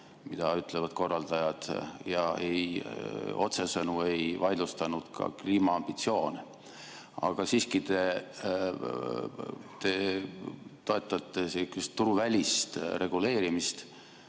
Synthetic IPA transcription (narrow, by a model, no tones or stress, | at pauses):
mid̪̥ɑyt̪ːˑlevɑd̪̥ko̞rːɑld̪̥ɑjɑd̪̥jɑḛj | o̞t̪se̞sɤnue̞jvɑjd̪lust̪ɑnud̪̥kʰɑ̰kliːmɑɑmb̥it̪sio̞ːn | ɑ̰ɡ̥ɑsiːskit̪e̞ | t̪e̞ | t̪o̞e̞t̪ːˑɑt̪ːˑesekːest̪t̪ːuɾuvælʲist̪ɾe̞ɡ̥ule̞ːɾimist̪